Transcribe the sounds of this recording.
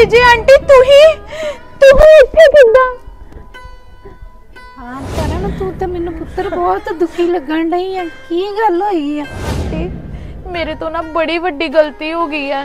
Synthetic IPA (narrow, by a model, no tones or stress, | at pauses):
d͡ʒeːaɳʈiːt̪ʊɦĩːt̪ʊɦĩːet̪ːaːkɪ̃nd̪aː | aːkəɾənt̪ut̪ãːmɛːnũːpʊt̪ːəɾbɔːt̪d̪ʊkʰiːləɡə̃ɳɖəiːɛ̃ːkiːɡəlaːiɡiɛ̃ːʈiː | meːɾeːt̪oːnãːbəɽiːʋəɖiːɡəlt̪iːɦoːɡəiːɛː